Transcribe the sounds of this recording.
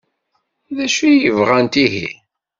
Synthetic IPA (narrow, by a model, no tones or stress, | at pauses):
ðæʃijəvʁænt̪iɦḭ